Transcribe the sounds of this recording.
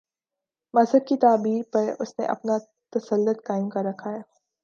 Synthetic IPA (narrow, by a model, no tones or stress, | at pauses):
mɐzɦəd̪̚kit̪aːbiːɾpɐɾʊsnḛʔɐ̰pna | t̪ɐsəlːʊt̪̚kaːɪmkaɾɐkʰaːjaː